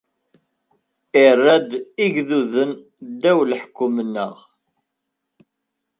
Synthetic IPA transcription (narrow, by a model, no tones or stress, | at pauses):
ɪrːæd̪iʝðuðən | d̪æwlħkːʊmənːə̰ʁ